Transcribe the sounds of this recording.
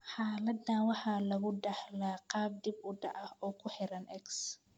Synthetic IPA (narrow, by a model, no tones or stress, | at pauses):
ħɑːlɐd̪nɐwɑħɑːlɐɣʊɖɑħlaːqɑːb̚d̪ibʊɖɑ̰ʕɐhɔːkʰʊħɛɾɐnʔɛks